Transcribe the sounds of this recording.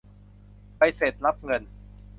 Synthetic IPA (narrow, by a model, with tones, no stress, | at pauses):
pa˧jse˨˩t̪̚ɾa˦˥p̚ŋɤ˧n